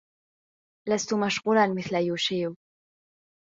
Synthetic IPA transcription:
last̪ʊmaʃqʊɾɑnmɪθlajuːʃɪju

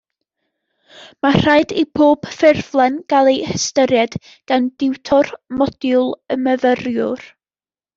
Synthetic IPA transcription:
mar̥ajdibʰoːb̥fɪrvlˠɛnɡ̥alˠejhəstəɾjad̥ | ɡ̥andɪwtʰɔrmɔd̥jʊlˠəməvərjʊr

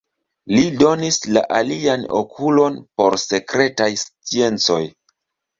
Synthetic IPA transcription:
lido̞nisla̰ʔaliano̰kʰulo̞npo̞ɾse̞kɾe̞tajst͡sie̞nt͡so̞j

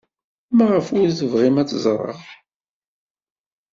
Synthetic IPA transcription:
mæʁəfwʊɾθəvʁimæt͡sːzˤɾˤə̰ʁ

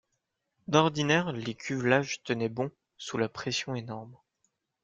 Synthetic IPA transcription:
d̪ɔʁd̪inɛʁlekʲʰyvlaʒt̪ənɛbɔ̃ | sulapχesjɔ̃enɔʁm

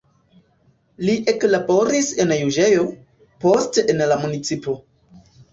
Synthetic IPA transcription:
liʔe̞klabo̞ɾise̞njud͡ʒe̞jo̞ | po̞stenlamunit͡sipo̞

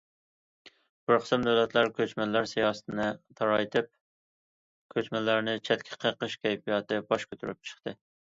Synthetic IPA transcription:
bʊɾqʰə̥sɨmd̪æwlɛt̪ʰlæɾkʲʰøt͡ʃmɛlːæɾsejɑːsɨ̥t̪ʰɨnɨt̪ʰɑɾɑjt̪ʰɨp̚ | kʲʰøt͡ʃmɛlːæɾnɪt͡ʃʰɛt̪kʲʰɛ̥qʰəqəʃkʲʰɛjpijɑːt̪ɨbɑʃkʰʲøt̪ʰyɾy̰p̚t͡ʃʰə̥χt̪ʰɨ

